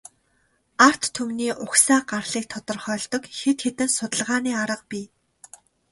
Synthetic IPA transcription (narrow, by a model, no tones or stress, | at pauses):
ar̥t̪ʰːumniːʔʊxsaːɢarɮ̥iːk̚t̪ʰɔt̪ɞ̆rχœːɮt̪ɞ̆kxet̪xet̪ɘ̆nsʊt̪ə̆ɮʁaːniːaɾə̆q̚piː